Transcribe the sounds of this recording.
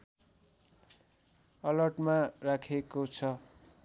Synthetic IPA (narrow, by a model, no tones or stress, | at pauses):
ʌlʌʈmarakʰekot͡sʰʌ